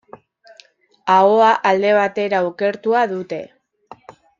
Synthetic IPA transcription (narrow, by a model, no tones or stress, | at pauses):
aoaʔald̪e̞β̞at̪e̞ɾauke̞ɾt̪uaðut̪e̞